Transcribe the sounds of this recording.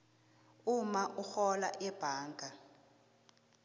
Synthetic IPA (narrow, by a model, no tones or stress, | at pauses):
umaʔuxɔla̰ʔɛb̥ʱaːŋɡʱa